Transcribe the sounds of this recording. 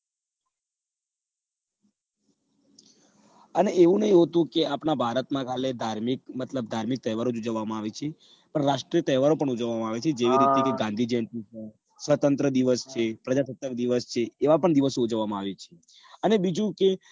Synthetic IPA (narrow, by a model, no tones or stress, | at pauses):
əneeʋũnəɦĩɦot̪ũkeapnãbʱaɾət̪mãkʰaled̪ʱaɾmik̚mət̪ləb̚d̪ʱaɾmik̚t̪əɦʋaɾod͡ʒud͡ʒəʋːamãaʋet͡ʃʰe | pəɳɾaʃʈɾiət̪əɦʋaɾopəɳud͡ʒəʋːamãaʋet͡ʃʰed͡ʒeʋiɾit̪ekeɡãnd̪ʱid͡ʒɛnʈ̪it͡ʃʰe | sʋət̪ənt̪ɾəd̪iʋəst͡ʃʰepɾəd͡ʒatət̪əkd̪iʋəst͡ʃʰeːʋapəɳd̪iʋəsoud͡ʒəʋːamãaʋet͡ʃʰe̥ | ənebid͡ʒũke